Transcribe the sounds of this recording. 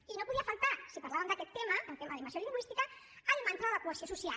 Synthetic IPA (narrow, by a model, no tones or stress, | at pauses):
inopuðiəfalˠt̪asipaɾlaβəmd̪əkɛt̪ːeməənt̪ɛmɐðimbənsoliŋɡwist̪ikə | alimant̪aðələkuəsiosusia